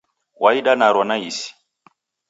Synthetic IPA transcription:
waiɗanaɾwanaisi̥

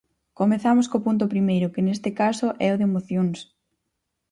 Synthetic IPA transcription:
komeθamʊskopunt̪̬ʊpɾimejɾʊkɪnest̪ɪkasʊʔɛoðemoθjoŋs

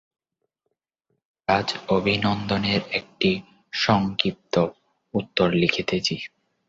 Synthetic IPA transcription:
kad͡ʑobʱinɔnd̪oneɾek̚ʈi | ʃɔŋkit̪ːo | ut̪ːoɾlikʰit̪et͡ɕʰi

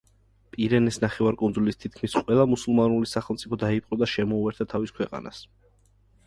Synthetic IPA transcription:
pʼiɾɛnɛsnaχɛvaɾkʼund̪zulist̪ʰit̪̚ʰkʰmisqʼwɛlˠamusulˠmanulisaχɛlˠmt̪sʼipʰɔd̪aipʼqʼɔd̪aʃɛmɔuɛɾt̪ʰat̪ʰaviskʰwɛqʼa̰na̰s

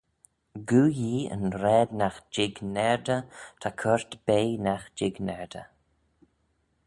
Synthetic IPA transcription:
ɡuːjiːə̰nɾɛːd̪naxd͡ʒɪɡnɛɹd̪ət̪ʰakʰəɹt̪b̥eːnaxd͡ʒɪɡnɛɹd̪ə̰

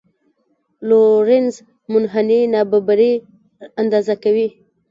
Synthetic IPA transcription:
loɾɪnz | mʊnɦaninɑbabaɾi | and̪ɑzakawi

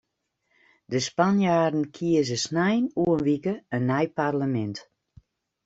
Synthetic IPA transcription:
dəspanjaːdən̩kʰiəzəsnɛjnuənʋikəənːɛjparləmɛnt

